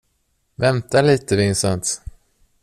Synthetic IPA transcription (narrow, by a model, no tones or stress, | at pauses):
vɛnt̪aliːt̪əvɪnsant̪